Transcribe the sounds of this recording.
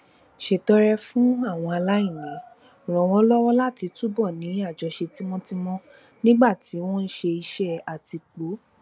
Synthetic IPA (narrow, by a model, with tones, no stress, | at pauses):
ʃe˨tɔ˨˦ɾɛ˧fũ˦a˦˨w̃ɔ̃˧a˧la˦ĩ˦˨nɛ̃˨˦˨ | ɾ̃ɔ̃˨w̃ɔ̃˦lɔ˦wɔ˦la˦˨ti˨˧tu˦bɔ˦˨nĩ˨˦a˦˨d͡ʒɔ˨˧ʃe˧ti˦w̃ɔ̃˦ti˦mɔ̃˦ | nĩ˦ɡ͡ba˦˨ti˨˦w̃ɔ̃˦n̩˦ʃe˧i˧ʃɛ˦a˨ti˧k͡po˨˦